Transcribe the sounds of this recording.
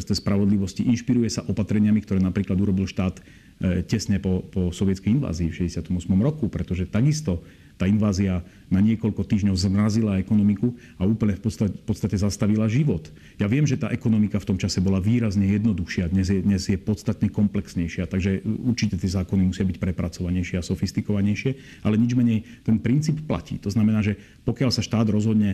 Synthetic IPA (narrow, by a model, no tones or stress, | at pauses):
st̪ɛspɾaʋɔd̪liʋɔsciʔinʃpiɾujɛsaʔɔpat̪ɾɛɲɪamikt̪ɔɾɛːnapɾiːklad̪uɾɔbilʃt̪aːt̪ | cɛsɲɛpɔpɔsɔʋɪɛtt͡skɛjinʋa̰ːziːfʃɛɟɛsat̪ɔmɔsmɔmɾɔkupɾɛt̪ɔʒɛt̪aɡist̪ɔ | t̪aːinʋaːzia | naɲɪɛkɔʎkɔt̪iːʒɲɔʊzmɾazilaɛkɔnɔmiku | auːpl̩ɲɛfpɔt̪afpɔt̪st̪acɛzast̪aʋilaʒiʋɔt̪ | jaʋɪɛmʒɛt̪aːʔɛkɔnɔmikaft̪ɔmt͡ʃasɛbɔlaʋiːɾazɲɛjɛd̪nɔd̪uxʃɪad̪ɲɛzjɛd̪ɲɛzjɛpɔt̪st̪at̪ɲɛkɔmplɛksɲɛjʃɪat̪aɡʒɛuɾt͡ʃicɛt̪ɪɛzaːkɔnimusɪabicpɾɛpɾat͡sɔʋaɲɛjʃɪɛasɔfist̪ikɔʋaɲɛjʃɪɛ | ʔalɛɲid͡ʒmɛɲɛj | t̪ɛnpɾint͡siːppla̰cḭːt̪ɔznamɛnaːʒɛ | pɔkɪalsaʃt̪aːd̪ɾɔzɦɔd̪ɲɛ